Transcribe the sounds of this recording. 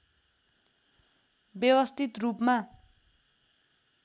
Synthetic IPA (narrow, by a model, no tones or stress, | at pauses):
bjʌwʌst̪ʰit̪rupma